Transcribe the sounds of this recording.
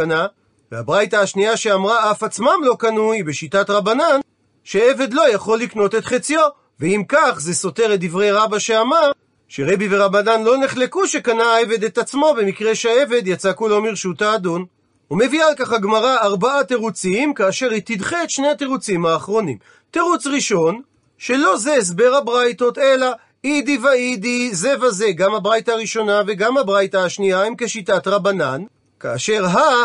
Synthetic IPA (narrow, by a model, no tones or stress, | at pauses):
na | veabʁajtaːʃniaʃe̞amʁaafat͡smamlo̞kanujbeʃitat̪ʁabanan | ʃee̞ve̞d̪lo̞jaχo̞lːikno̞t̪e̞t̪χet͡sjo̞ | veimkaχze̞so̞te̞ʁet̚d̪ivʁejʁabaʃe̞amaʁ | ʃeʁe̞bive̞ʁabananlo̞ne̞χle̞kuʃe̞kanaaeve̞d̪e̞t̪at͡smo̞bemikʁeʃae̞ve̞d̪jat͡sakulo̞miʁʃutaːd̪un | ume̞vialkaχhaɡmaʁaːʁbaat̪eʁut͡simkaːʃe̞ʁit̪idχeet̪ʃne̞jhat̪eʁut͡simhaːχʁo̞nḭm | teʁut͡sʁiʃo̞n | ʃe̞lo̞zees̬be̞ʁhabʁajto̞t̪e̞la | id̪ivaidize̞vaze̞ɡamhabʁajtaːʁiʃo̞nave̞ɡamhabʁajtaːʃniaimke̞ʃitatʁabana̰n | kaːʃe̞ʁɦa